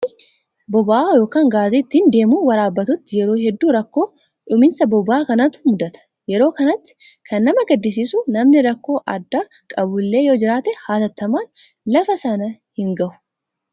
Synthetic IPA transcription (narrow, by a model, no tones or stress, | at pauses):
bɔbaʔaːjo̞ːkaːŋɡaːziːɪt̪ːɪnd̪e̞ːmuːwɐɾaːbːɐt̪ʊt̪ːɪjɛɾo̞ːɦɛd̪ːuːɾɐkːo̞ː | ᶑʊmɪnsɐbɔbaːkɐnɐt̪ʊ̥mʊd̪ɐt̪ɐ̥ | jɛɾo̞ːkɐnɐt̪ːɪ̥ | kʰɐnːɐmɐɡɐd̪ːɪs̬iːsʊnɐmnɪɾɐkːo̞ːʔɐ̰d̪ːa | kʼɐbʊlːe̞ːjoːd͡ʒɪɾaːt̪ɛhaːt̪ɐt̪ːɐmaːn | lɐfɐsɐnɐhɪŋɡɐʔʊ̥